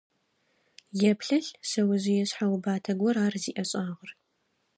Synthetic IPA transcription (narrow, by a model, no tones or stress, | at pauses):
jɛpʰɬɐɬsɐwʊʑɪjɛɕħawʊbaːtʰɐɡʷɔɾaːrziːʔɐɕʼaːʁər